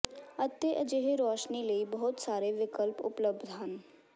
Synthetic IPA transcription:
ət̪ːeːʔəd͡ʒeːɦeɾɔːʃniːləiːbəɦʊt̪saːɾeːʋɪkəlpʊ̰pləbd̪ɦən

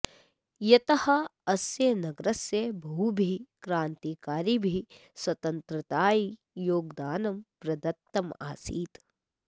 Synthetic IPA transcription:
jɐt̪ɐhɐɐsjenɐɡɾɐsjebʱuubʱikɾaːnt̪iːkaːɾibʱiswɐt̪ɐnt̪ɾɐt̪aːi | joːɡd̪aːnɐmpɾɐd̪ɐt̪ːɐma̰ːsiːt̪

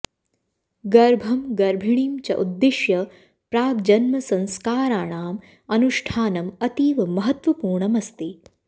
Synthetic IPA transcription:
ɡɐɾbʱɐmɡɐɾbʱiɳiːmt͡ʃɐ̰ʔud̪ːiʃjɐ | pɾaːɡd͡ʒɐnmɐsɐ̃nskaːɾaːɳaːm | ɐnuʃʈʰaːnɐmɐt̪iːʋɐmɐɦɐt̪ʋɐpuːɾɳɐmɐst̪i

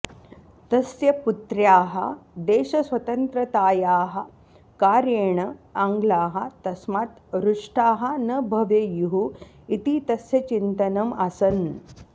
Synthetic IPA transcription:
t̪ɐsjɐput̪ɾjaːɦɐ̰d̪eːɕɐsʋɐt̪ɐnt̪ɾɐt̪aːjaːɦɐ | kaːɾjeːɳɐaŋɡlaːɦɐt̪ɐsmaːt̪ɾuʂʈʰaːɦɐnɐbʱɐʋjejuɦu | it̪it̪ɐsjɐt͡ɕint̪ɐnɐmasɐn

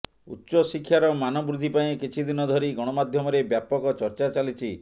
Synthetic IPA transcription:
ṵtːʃɔsikʰjaɾɔmanɔbɾud̪ʱipaĩkit͡ʃʰid̪inɔd̪ʱɔɾiɡɔɽ̃ɔmad̪ʱjɔmɔɾebjapɔkɔt͡ʃɔɾt͡ʃat͡ʃalit͡ʃʰi

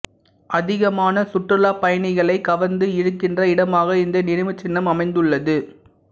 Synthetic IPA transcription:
ʔɐðɪɣɐmaːnɐsʊʈrɪlaːpɐjɐɳɪɣɐɭɐɪkɐʋɐnd̪ɯɪɻɯkːɪndrɐɪɽɐmaːɣɐɪnd̪ɐnɪnɪmɯt͡ʃːɪnːɐmɐmɐɪnd̪ɯɭːɐðɯ

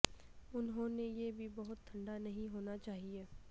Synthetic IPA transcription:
ʊnɦõnejebʱibɐɦʊt̪ʰːɐ̃ɳɖanɐɦĩɦoːnat͡ʃaːɦieː

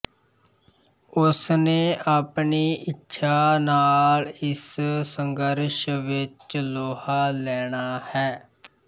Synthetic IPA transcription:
ʊsneːʔaːpɳiːʔɪtːʃʰaːnaːlɪssəŋɡəɾʃʋɪt͡ʃloːhaːlɛːɳaːhɛː

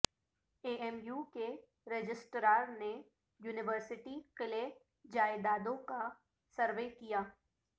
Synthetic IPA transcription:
eːʔɛmjuːke | ɾɛd͡ʒɪsʈɾaːɾne | juːnɪʋəɾsɪʈiqɪle | d͡ʒaːed̪aːd̪õka | sɐɾʋeːkijaː

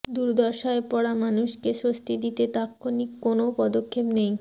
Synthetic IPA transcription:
d̪uɾd̪ɔɾʃaepɔɽamanuʃkeʃost̪ʰid̪it̪et̪akʰːonikːonopɔd̪okʰːepnej

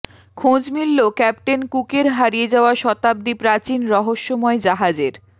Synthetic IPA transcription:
kʰõd͡ʑmilːokɛp̚ʈenkukeɾɦaɾijed͡ʑaoaʃɔt̪ab̚d̪ipɾat͡ɕinɾɔɦoʃːɔmɔed͡ʑaɦad͡ʑeɾ

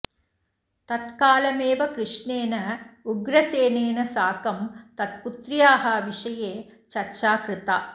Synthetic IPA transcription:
t̪ɐt̪kaːlɐmeːʋɐkɾɨʂɳeːnɐuɡɾɐseːneːnɐsaːkɐmt̪ɐt̪̚put̪ɾijaːɦɐʋiʂɐjeːt͡ʃɐɾt͡ʃaːkɾɨt̪ɐ

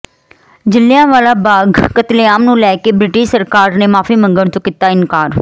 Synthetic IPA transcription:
d͡ʒɪlːijãːʋaːlaːbaːɡkət̪leaːmnũːlɛːkebɾɪʈɪʃsəɾkaːɾnemaːfimə̃ŋɡəɽ̃t̪okɪt̪aɪnkaːɾ

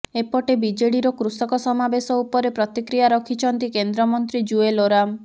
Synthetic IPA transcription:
epɔʈebid͡ʒeɽiɾɔkɾusɔkɔsɔmabesɔupɔɾepɾɔt̪ikɾijaɾɔkʰit͡ʃʰɔnt̪ikend̪ɾɔmɔnt̪ɾid͡ʒueloɾam

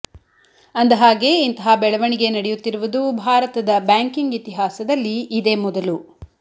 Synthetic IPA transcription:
ɐnd̪ɐɦaːɡe̞int̪ɐɦabɛɭɐʋɐɳiɡe̞nɐɽejut̪ːiɾuʋud̪ubʱaːɾɐt̪ɐd̪ɐbjaːŋkiŋɡit̪iɦaːsɐd̪ɐlːiːd̪e̞ːmɔd̪ɐlu

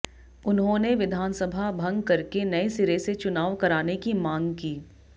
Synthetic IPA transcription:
ʊnɦõneʋɪd̪ʱaːnsɐbʱabʱɐ̃ŋɡkɐɾkenɐesɪɾeset͡ʃʊnaːʋkɐɾaːnekimãːŋɡkiː

